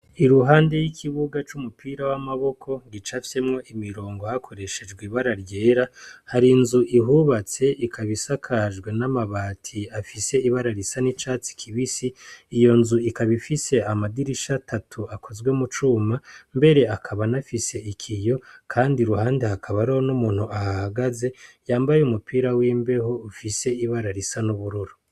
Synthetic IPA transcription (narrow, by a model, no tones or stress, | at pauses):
iɾuɦaːnde̞jikʰiβuɡat͡ʃumupʰiːɾawamaβo̞kʰo̞ɡit͡ʃafi̥se̞mŋo̞ʔimiɾo̞ːŋɡo̞hakʰo̞ɾe̞ʃe̞d͡ʒɡwiβaɾaɾje̞ːɾahaɾinzuʔiɦuβat͡se̞ʔikʰaβisakʰaʒɡwe̞namaβaːtʰiafise̞iβaɾaɾisanit͡ʃaːt͡si̥kʰiβisiːjo̞nzuikaβifise̞amadiɾiʃatatʰuakʰo̞zɡwe̞mut͡ʃuːmambe̞ɾe̞akʰaβanafise̞ikʰijo̞kʰaːndiɾuhaːndehakʰaβaɾihonumuːn̥huahahaɡaze̞jaːmbajeumupʰiːɾawiːmbe̞ho̞ufise̞iβaɾaɾisanuβuɾuɾu